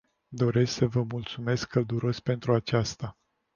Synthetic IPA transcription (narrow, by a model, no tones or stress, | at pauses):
d̪o̞ɾe̞sksəvəmult̪sume̞skʰːəld̪uɾo̞sʲpe̞nt̪ɾuat͡ʃast̪a